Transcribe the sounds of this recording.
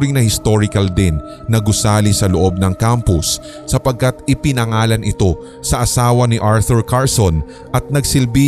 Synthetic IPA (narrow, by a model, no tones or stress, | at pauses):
ɾɪŋnɐhɪst̪o̞ɾɪkɐld̪ɪnː | ɐɡʊsaːlisɐloʔo̞b̚nɐŋkampʊsː | ɐpɐɡ̚kɐt̪̚ɪpɪnɐŋaːlɐnʔɪt̪o̞ | sɐʔɐsaːwɐnɪʔaɹθʊɹkaɹson | ʔɐt̪̚nɐɡsɪlbi